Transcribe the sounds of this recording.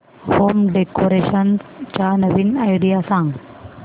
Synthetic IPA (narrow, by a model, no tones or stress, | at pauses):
hoːmɖekoɾeɕənst͡ɕanəʋinajɖijasãŋɡ